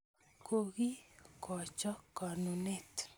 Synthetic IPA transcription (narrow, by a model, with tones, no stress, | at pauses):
ko˦ɣi˦kɔ˨t͡ʃɔ˦ka˨nu˨ne˦˨t̪